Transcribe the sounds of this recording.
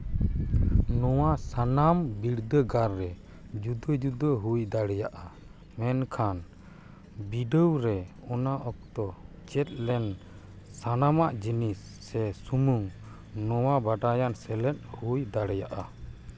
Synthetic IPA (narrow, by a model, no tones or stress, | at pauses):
nɔwasanambiɽd̪əɡaɾːɛ | d͡ʒud̪əd͡ʒud̪əɦujd̪aɽɛjaʔa | mɛnkʰan | biɖəwɾɛ | ɔnaʔɔk̚t̪ɔ | t͡ʃɛt̪̚lɛn | sanamaʔd͡ʒinisːɛsumuŋ | nɔwabaɖajansɛlɛt̪̚hujd̪aɽɛjaʔa